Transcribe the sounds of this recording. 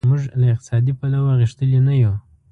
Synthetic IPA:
muʐlaɪq̚t̪ɪ̥sɑd̪ipalawaɣiʂt̪əlenaju

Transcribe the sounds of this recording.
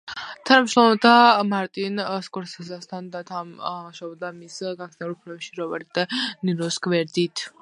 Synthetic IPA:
t̪ʰanamʃɾɔmɔbd̪amaɾt̪ʼinskʼɔɾsazast̪ʰand̪at̪ʰaʃɔbɔd̪amisɡasɛulpʰlɛbɛʃiɾɔva̰ɾit̪d̪aniɾɔskʼvɛɾd̪it̪ʰ

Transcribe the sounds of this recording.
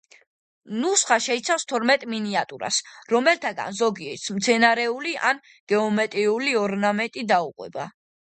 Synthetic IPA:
nusχaʃɛit̪sʰafst̪ʰɔɾmɛt̪ʼminiat̪ʼuɾa̰sɾɔmɛlt̪ʰaɡa̰nzɔɡiɛɾt̪sʰmt̪sʰɛnaɾɛuliʔa̰n | ɡ̥ɛɔmɛt̪ʼɾiuliɔɾnamɛnt̪ʼid̪auqʼwɛ̰ba̰

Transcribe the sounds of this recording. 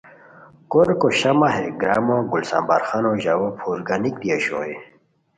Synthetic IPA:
koɾkoɕɐmɐɦeɡɾaːmoɡulsa̰mba̰ːɾxanoʑawopʰuːɾɡanik̚d̪iɐɕo̰e

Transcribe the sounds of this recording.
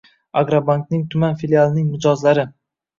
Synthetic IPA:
aɡɾabank̚nɪŋt̪ʰʊmanfilialˠnɪŋnɪd͡ʒɒzlaɾɪ

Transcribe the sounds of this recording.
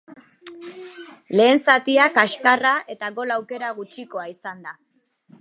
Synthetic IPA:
le̞ːnsat̪iakaʃkaraʔe̞t̪aɣo̞lawke̞ɾaɣ̞ut͡ʃiko̞aisand̪a

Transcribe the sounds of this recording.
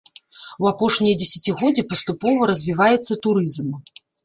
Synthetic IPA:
wapɔʂnʲijɐd͡zʲesʲat͡sʲiɣɔd͡zʲɛpɐst̪upɔvɐɾɐzʲvʲivajɛt̪sːɐt̪uɾɨzm

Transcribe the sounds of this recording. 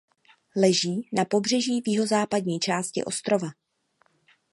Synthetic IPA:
lɛʒiːnapo̞br̝ɛʒiːvjɪɦo̞zaːpadɲiːt͡ʃaːscɪ̰ʔo̞st̪ɾo̞va

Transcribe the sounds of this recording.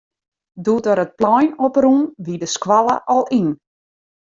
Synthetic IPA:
dutəɾət̚plɔjnɔprunʋidəskʋalˠəʔɔlˠin

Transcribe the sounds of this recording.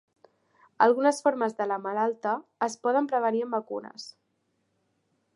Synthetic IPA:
əlˠɣunəsfoɾməzðələmalalˠt̪əːspɔð̞əmpɾəβ̞əniəmbəkunə̰s

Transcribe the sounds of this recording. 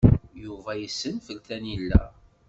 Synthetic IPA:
juvæjəsːənfəlt̪ænilːæ̰

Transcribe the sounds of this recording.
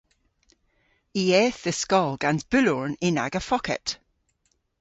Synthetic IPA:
iɛθəskɔlˠɡ̥ãnzb̥ʉlɔɹnɪna̰ɡəfɔkɛ̰ʔ

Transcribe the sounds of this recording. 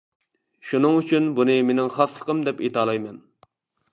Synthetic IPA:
ʃunɨŋyt͡ʃʰynbunɨmenɪŋχɑslə̥qʰəmd̪ɛpit̪ʰɑːlˠɑjmɛn

